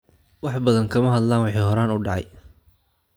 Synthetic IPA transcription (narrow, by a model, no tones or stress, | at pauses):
wɑħbɐðɐŋkʰɐmɐɦɐd̪laːnwɑħiːhɔɾaːnʊɖɑʕɑ̰j